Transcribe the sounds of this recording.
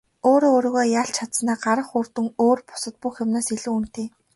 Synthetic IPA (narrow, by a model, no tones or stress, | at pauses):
oːɾoːoːɾoːɣoːjaɬt͡ɕʰat̪snaːɢaɾə̆χur̥t̪ɵ̆ŋoːrpʊ̥sə̆t̪̚puxʲemnaːsiɮuːun̥t̪eː